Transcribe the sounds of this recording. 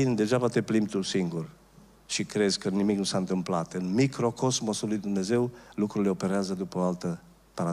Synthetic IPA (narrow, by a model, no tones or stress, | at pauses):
ind̪e̞ʒapat̪eplimt̪usiŋɡur | ʃikɾezkənimiknusant̪ɨmplat̪ɨnmikɾo̞kʰozmosulujd̪umne̞ze̞wlukɾuleopeɾeazəd̪upəoalt̪ə | paɾa